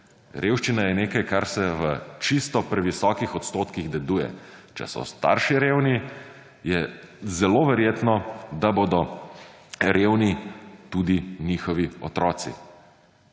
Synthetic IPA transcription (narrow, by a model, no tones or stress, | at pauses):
ɾʔeːwʃt͡ʃinajɛneːkajkaɾsɛʋət͡ʃist̪ɔpɾɛʋisɔːkixɔt̪st̪oːt̪kiɣd̪ɛd̪uːjɛ̰t͡ʃɛ̰sɔ̰st̪a̰ːɾʃiɾeːwni | jɛzɛloʋɛɾjeːt̪nɔd̪aboːd̪ɔ | ɾeːwnit̪uːd̪iniːxɔʋiɔ̰t̪ɾɔːt̪sḭ